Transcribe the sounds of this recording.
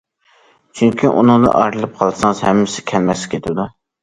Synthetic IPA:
t͡ʃʰyŋkʲiʔṵnɨŋd̪ɨ̰ʔɑɾɨlˠɨp̚qʰɑlˠsɑŋzhɛmːɪsɪ̥kʲʰɛlmɛslɪkʲʰet̪ʰɪd̪u

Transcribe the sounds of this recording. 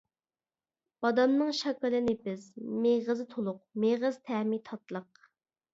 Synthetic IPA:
b̥ɑd̪ɑnnɨŋʃɑkɨlˠɨnɪpɪzmeʁəzɨt̪ʰolˠʊq̚meʁəz̥t̪ʰɛmit̪ʰɑt̪lˠəq̚

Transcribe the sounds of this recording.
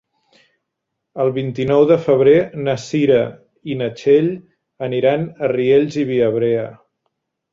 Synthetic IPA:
əlˠβint̪inɔwðəfəβɾenəsiɾə | inət͡ʃeʎ | əniɾanərieʎziβiəβ̞ɾeə

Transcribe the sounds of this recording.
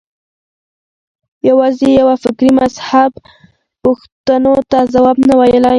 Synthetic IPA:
jawɑzejawafɪkɾimashab | puxt̪anot̪azawɑbnawajəla

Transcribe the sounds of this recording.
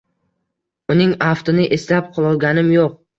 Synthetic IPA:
ʊnɪŋaft̪onɪʔeslap̚qʰɨlˠɒlˠɡʲanɪmjoq̚

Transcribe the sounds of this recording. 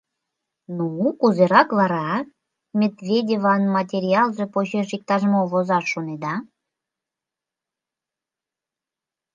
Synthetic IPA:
nuːkuzeɾɑkβɑɾɑ | mʲed̪vʲedʲevɑnmɑtʲeɾʲiɑlˠʒe̽poɕeʃik̚t̪ɑʒmoβozɑʃʃːoned̪ɑ

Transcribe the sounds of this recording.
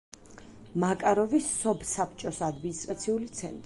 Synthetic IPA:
makʼaɾɔvisːɔbsapʰt͡ʃʼɔsad̪minist̪ʼɾat̪sʰiulit̪sʰɛ̰nt̪ʼ

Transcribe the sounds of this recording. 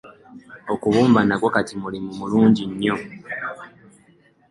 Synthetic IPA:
okuβuːmbanakwokatimulimumuluːɲɟiɲːo

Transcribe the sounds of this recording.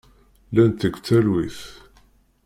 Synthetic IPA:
lænt̪əɡʷt͡sːælwiθ

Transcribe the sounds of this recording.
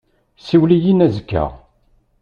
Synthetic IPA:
siwlijinæzəkːə̰ʁ

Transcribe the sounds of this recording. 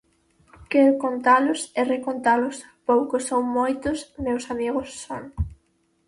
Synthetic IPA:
kɛɾokont̪alʊsɛrekont̪alʊspowkosoŋmojt̪ʊsmewsamiɣʊsːoŋ

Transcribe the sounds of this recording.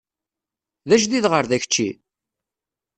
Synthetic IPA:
ðæʃ̬ðiðʁəɾðæçət͡ʃːi

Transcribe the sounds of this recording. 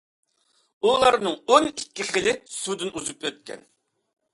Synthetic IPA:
ulˠɑɾnɨŋonikʲːiχəlɪsud̪ɪnuzupøt̪̚kʲʰɛ̰n

